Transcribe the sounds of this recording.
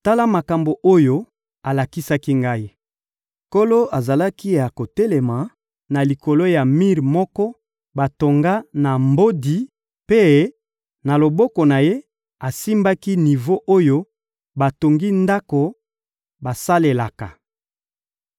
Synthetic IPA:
ta˦la˦ma˨ka˨mbo˨ʔo˦jo˦ | a˨la˨ki˦sa˦ki˦ŋɡa˦i˦ | ko˦lo˦a˨za˨la˦ki˦ja˨ko˨te˦le˨ma˨ | na˨li˨ko˨lo˦ja˨mi˦ʁmɔ˦kɔ˦ | ba˨to˨ŋɡa˦na˨mbo˦di˨ | pe˦ | na˨lo˨bɔ˦kɔ˨na˨je˦ | a˨si˦mba˦ki˦ni˨vo˦ʔo˦jo˦ | ba˨to˨ŋɡi˦nda˦ko˨ | ba˨sa˦le˨la˨ka˨

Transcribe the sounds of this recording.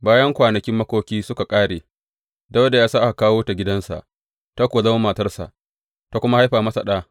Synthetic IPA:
baː˦jɐ˦ŋkʷaː˨nɐ˨kʲɪ˦mːɐ˦kʷoː˦kʲiː˦sʊ˦ka˨kʼaː˦ɽeː˨ | dɐ˦wda˨jaː˦sa˦ʔa˨kaː˦woː˦ta˨ɡʲɪ˦dɐ˦nsa̰˨ʔ | ta˦kʷoː˨zɐ˦wa˦mɐː˨tɐ˦rsa̰˨ʔ | ta˦kʷʊ˦ma˦ha˦jɸaː˨mɐ˦sa˨ɗaː˦

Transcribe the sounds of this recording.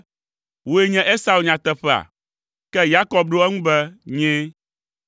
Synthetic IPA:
wo˦e˦ɲɛ̃˦ʔe˦sa˨wu˨ɲã˨t̪ɛ˦ɸɛ˨a̰˨ | kɛ˦ja˦kɔ˦b̚ɖo˦ɛ˦ŋũ˦bɛ˦ɲɛ̃˦

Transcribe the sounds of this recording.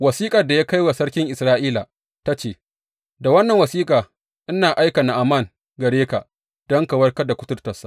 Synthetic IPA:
wɐ˨siː˦kʼɐ˨rda˨jaː˦ka˦jwa˨sɐ˦rkʲɪ˦ŋʔɪ˨sɾaː˦ʔiː˦la˨ | ta˦t͡ʃeː˦˨ | da˨wɐ˦nːɐ˨ŋwɐ˨siː˦kʼaː˨ | ʔɪ˦naː˨ʔa˦jka˨na˨ʔa˨ma˦˨ŋ | ɡɐ˨ɽeː˦ka˨ | d̥ɔ˦ŋka˨wɐ˦rkɐ˦da˨kʷʊ˦tʊ˦rtɐ˨sːa̰˦ʔ

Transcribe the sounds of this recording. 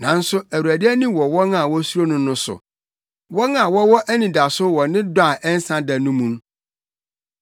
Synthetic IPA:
nã˨n̩˦sʊ˦æ˨wu˨ɾæ˨dɪ˦æ˦nĩ˦wɔ˨wɔ˦nã˦˨wɔ˦su˦ɾo˦nʊ̃˦nʊ̃˦sʊ̰˨ | wɔ˦nã˨wɔ˦wɔ˦ʔæ˦nĩ˨da˨sʊ˦wɔ˨nɪ̃˦dʊ˦a˨ʔɛ˦n̩˦sã˦da˨nũ˦mũ˦n

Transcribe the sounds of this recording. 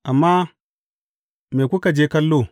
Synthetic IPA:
ʔa˨mːa˦ | me˨ku˦ka˨d͡ʒe˦ka˦lːo˦

